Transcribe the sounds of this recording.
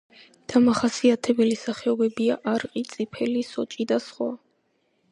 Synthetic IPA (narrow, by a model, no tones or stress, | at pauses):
d̪̥amaχasiat̪ʰɛbɛlisaχɛɔbɛbiaʔaɾqʼit̪sʼipʰɛlisɔt͡ʃʼid̪asχwa